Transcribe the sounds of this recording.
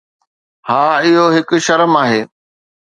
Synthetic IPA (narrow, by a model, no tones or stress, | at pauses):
haːɪɦoɦɪk̆ʃɐɾəmaːɦeː